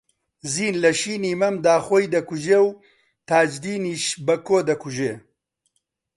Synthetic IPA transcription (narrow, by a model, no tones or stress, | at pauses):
ziːnlɐʃiːniːmɐmd̪aːxoːjd̪ɐkuʒeːw | t̪aːd͡ʒd̪iːniːʃbɐkoːd̪ɐkuʒeː